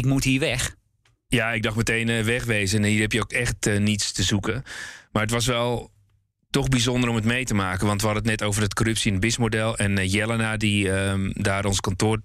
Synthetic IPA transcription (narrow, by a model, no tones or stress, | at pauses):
ɪkmuthiːʋɛx | jaɪɡ̚dɑxmətejnəʋɛxʋeːzənhiːrɛpjəokɛxtnitstəzukəmaːrətʋɑs̬ʋɛlˠ | tɔxbizondəɾɔmətmejtəmaːkənʋɑntʋəhɑdənət̬nɛtoːwvərət̚korøpsiɛnəbɪsmodɛlˠɛnjɛlˠənadiədaːɾɔnskɔntʊːr